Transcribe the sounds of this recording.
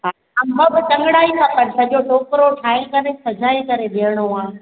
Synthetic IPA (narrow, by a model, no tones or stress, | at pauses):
a | mɐbɪt̪ɐ̃ŋɡɽaːikʰãːpɐɾsɐʄoʈʰoːkɾoʈʰaːɪlkɐɾesɐd͡ʑʱaːikɐɾed̪eːəɽ̃oɦãː